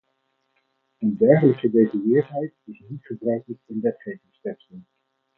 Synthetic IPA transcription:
əndɛɹχələkədejzəʋɪːɦɛjtɪsnitχəbrœɥkləkɪnʋɛtχejvɪŋstɛrsəlˠ

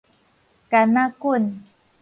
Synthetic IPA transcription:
kanakʊn

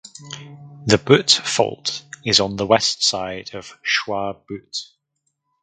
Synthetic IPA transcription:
ðəbʉtfɒ̰lˠtʰɪzn̩ðəwɛstsaɪdəv̥ʃwɑːb̥ʉˑt

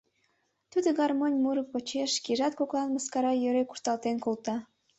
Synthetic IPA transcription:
t̪ud̪əɣɑrmonʲmuɾəpːot͡ɕeʃkiʒɑt̪̚koklɑnməskɑɾɑjøɾeku̥ʃt̪ɑlt̪enkolt̪ɑ

